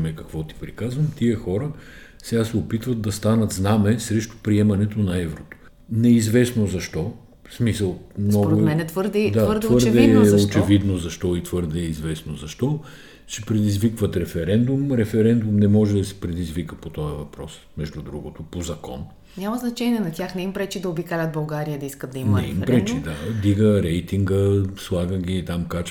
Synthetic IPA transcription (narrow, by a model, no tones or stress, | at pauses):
mɛkɐkvɔt̪i̥pɾikazvəmt̪iəxɔɾə | sɛɡasɛopit̪vɐd̪̚d̪ɐst̪anət̪znamɛsɾɛʃt̪ʊ̥pɾiɛmɐnɛt̪onɐɛvɾot̪o̥ | nɛizvɛsnozɐʃt̪ɔ | smisəlˠmnɔɡoɾʊɛmɛnɛt̪vəɾd̪ɛd̪aɾdt̪vvɤɾdd̪ɛɛot͡ʃɛvid̪nozɐʃt̪ɔit̪vɤɾd̪ɛːizvɛsnozɐʃt̪ɔ | sɛpɾɛd̪izvikvət̪ɾɛfɛɾɛnd̪umɾɛfɛɾɛnd̪umnɛmɔʒɛd̪ɐsɛ̥pɾɛd̪izvikəpot̪ɔjəvɐpɾɔs | mɛʒd̪ud̪ɾuɡot̪opozɐkɔ̰n | ɲʲamɐznɐt͡ʃɛnʲiɛnɐt̪ʲjaxnɛimpɾɛt͡ʃid̪ɐobikalʲət̪bɐlˠɡaɾijəd̪ɐiskət̪ːɐinmɛḭmpɾɛt͡ʃid̪ad̪iɡəɾɛjt̪iŋɡəslˠaɡəɡʲiːt̪amkat͡ʃ